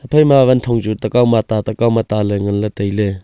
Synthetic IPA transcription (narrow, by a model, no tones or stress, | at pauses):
apʰajmaβantʰɔŋt͡ʃutɐkawmat̪at̪ɐkawmat̪alɯŋɐnlatejle